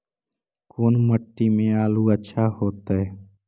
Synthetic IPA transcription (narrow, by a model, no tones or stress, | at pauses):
koːnməʈːiːmẽːaːluːətːʃʰaːhoːt̪aɦeː